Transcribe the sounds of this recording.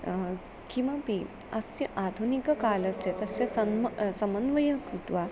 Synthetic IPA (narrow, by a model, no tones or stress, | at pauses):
kĩwʋapi | ɐst̪iʔad̪ʱunikəkalɐset̪əsesɐnsɐmənʋəjəkɾut̪ʋa